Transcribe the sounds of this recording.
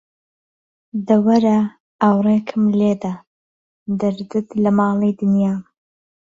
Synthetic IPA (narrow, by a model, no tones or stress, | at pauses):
d̪ɐwɐɾa | awrekʰɨmled̪a | d̪ɐɾd̪ɨt̪lɐmɑːlˠijd̪ɨnjaː